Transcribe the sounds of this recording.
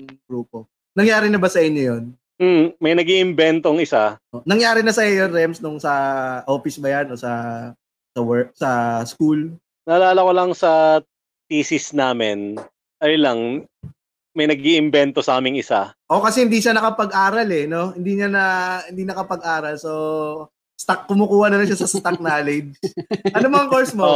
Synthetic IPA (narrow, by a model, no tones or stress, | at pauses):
ɡɾuːpo | nɐŋjaːɾɪnɐbɐsɐʔɪɲːojon | m̩mɐjnɐɡiʔɪmbɛnt̪oŋɪsaʔonɐŋjaːɾɪnɐsɐɛjɛɾdɛmsnʊŋsɐʔoːfɪsbɐjanʔo̞sɐ | sɐwɛk̚sɐskul | nɐːlaːlɐkolɐŋsɐ | t̪iːsɪsnaːmɪn | ʔɐjlɐŋ | mɐjnɐɡ̚iʔɪmbɛnt̪osɐʔaːmɪŋɪsa̰ʔo̞kɐsɛhɪnd̪iʃanɐkɐpɐɡʔaːɾɐlɛno̞hɪnd̪iɲɐnɐhɪnd̪inɐkɐpɐɡʔaːɾɐlso̞ | st̪ak̚ːʊmʊkuːhɐnɐlɐʃasɐst̪ak̚naːlɛd͡ʒʔɐnomɐŋkoɹsmo